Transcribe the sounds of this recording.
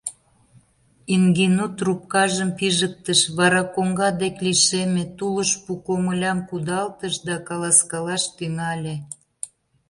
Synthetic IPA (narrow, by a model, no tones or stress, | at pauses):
iŋɡinut̪rup̚kɑʒəmpiʒək̚t̪əʃβɑɾɑkoŋɡɑd̪ekliʃemet̪uləʃpukoməlʲɑmkud̪ɑlt̪əʃd̪ɑkɑlɑskɑlɑʃt̪yŋɑlʲe